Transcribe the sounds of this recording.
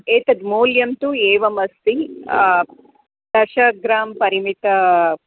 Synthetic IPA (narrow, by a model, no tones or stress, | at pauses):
eːt̪ɐd̪moːljɐmt̪ueːʋɐmɐst̪i | d̪̥ɐʃɐɡɾaːmpɐɾimit̪ɐ